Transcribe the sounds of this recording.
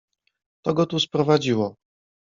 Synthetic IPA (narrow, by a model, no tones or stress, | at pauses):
t̪ɔɡɔt̪uspɾɔvad͡ʑiwɔ